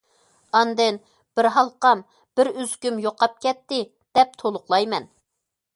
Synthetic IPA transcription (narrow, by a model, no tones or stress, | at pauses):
ɑnd̪ɨn | b̥ɪɾɦɑlˠqɑm | b̥ɪɾyzkʲymjoqʰɑp̚kʲɛt̪ːɪ | d̪̥ɛp̚t̪ʰolˠʊqlˠɑjmɛn